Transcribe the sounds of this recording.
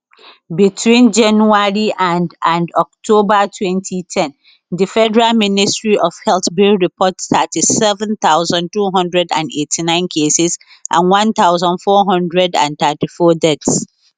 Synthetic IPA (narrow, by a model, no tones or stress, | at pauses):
bitʰwĩnd͡ʒãnuaɹiʔãndãndɔk̚tʰobatʰwɛ̃ntʰitʰɛ̃n | difɛdəɹalmĩnistɹiʔɔfhɛlθbiɹipʰɔtstatʰisɛvɛ̃nt̪aʊzãntuːɦɔ̃ndɹɛdã̰netʰinãɪ̃nkʰesɪz | ʔã̰nwãnt̪aʊzãnfɔɦɔ̃ndɹɛdã̰nt̪atifɔdɛts